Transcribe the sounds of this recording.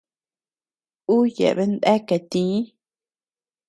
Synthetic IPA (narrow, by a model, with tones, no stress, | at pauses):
u˦jḛ˨ʔβe˦nd̪e˦ke˨t̪ĩ˨˦